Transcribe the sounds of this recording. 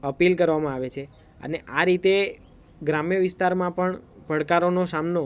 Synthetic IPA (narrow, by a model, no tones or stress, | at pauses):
əpilkəɾʋamãaʋet͡ʃʰe | ə̰neʔaɾit̪e | ɡɾamjəʋɪst̪aɾmãpəɳ | bʱəɽkaɾonosamno